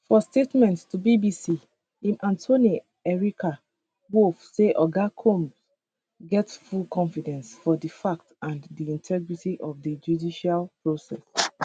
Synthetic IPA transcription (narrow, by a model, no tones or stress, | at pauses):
fɔstetmɛ̃nttubibisi | ĩmʔãntʰoni | ɛɹikʰa | wofseʔɔɡakʰõms | ɡɛtfulkʰɔ̃nfidɛ̃nsfɔdəfak̚tãndiĩntʰɛɡɹitiʔɔfdid͡ʒudiʃalpɹosɛ̰s